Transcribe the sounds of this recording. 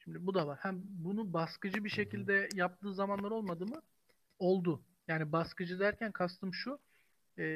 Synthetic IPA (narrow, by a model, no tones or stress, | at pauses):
ʃimd̪ibud̪avaɾhæmbunubaskɯd͡ʒɯbiʃe̞cʰilʲd̪ɛjap̚t̪ʰɯːzamanlˠaɾo̞lˠmad̪ɯmɯ | o̞lˠd̪ʊ | jaːnibaskɯd͡ʒɯd̪æɾcʰænkʰast̪ʰɯmʃu | ɛ